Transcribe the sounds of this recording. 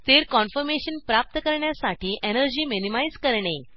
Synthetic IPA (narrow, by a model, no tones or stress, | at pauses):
t̪eɾkɔnfəɾmeɕənpɾap̚t̪əkəɾɳjasaʈʰiːʔenəɾd͡ʑiːminimajd͡zkəɾɳe